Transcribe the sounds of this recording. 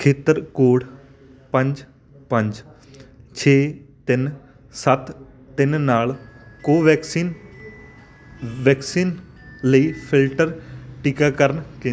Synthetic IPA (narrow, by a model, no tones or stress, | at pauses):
kʰeːt̪əɾkoːɽ | pə̃ɲd͡ʒ | pəɲd͡ʒ | t͡ʃʰeːt̪ɪn | sət̪ː | ɪnnaːlkoːʋɛːksiːn | ʋɛːksiːn | ləiːpʰɪlʈəɾʈɪkaːkəɾnkẽ